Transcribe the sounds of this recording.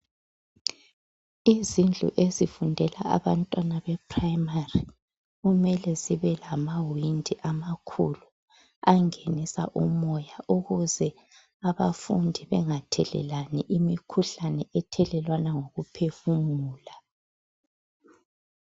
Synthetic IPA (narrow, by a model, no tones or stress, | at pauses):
izind͡ɮʱṵʔezifundʱɛla̰a̰βantʼwanaβɛpʰrajimari | ɣumɛlɛziβɛlamawindʱiʔamakʰṵlu | aŋenisa̰ʔumɔjaʔuɣuzɛ | aβafundʱiβɛŋatʰɛlɛ̰laniʔimikʰuɬanɛɛtʰɛlɛlwanaŋoɣupʰefuŋuːla